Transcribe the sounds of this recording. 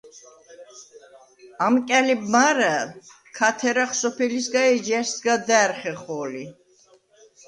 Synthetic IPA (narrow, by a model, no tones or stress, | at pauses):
amkʼɛlibmaɾɛ | kʰat̪ʰɛɾaχsɔpʰɛlisɡaɛd͡ʒɛɾsɡad̪ɛːɾχɛχɔːli